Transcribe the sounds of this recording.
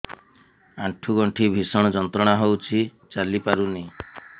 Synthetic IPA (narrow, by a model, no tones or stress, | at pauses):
aʈʰuɡɔɳʈʰibʱisɔɽ̃ɔd͡ʒɔnt̪ɾɔɽ̃aɦowt͡ʃʰit͡ʃalipaɾuni